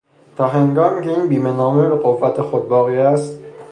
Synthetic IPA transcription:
t̪ʰɒːɦe̞ŋɡɒːmicʰe̞iːnbiːme̞nɒːmebeɣovːæt̪ʰexod̪̚bɒːɣiːæst̪

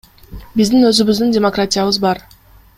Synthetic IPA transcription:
bizd̪inø̞zyβyzd̪yndʲemokratʲijaβɯzbɑɾ

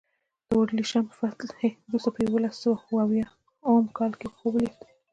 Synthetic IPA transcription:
d̪̥əwoɖliʃamfat̪lheɾust̪apəjawolasəwauwawjɑ | amkɑlkexobli

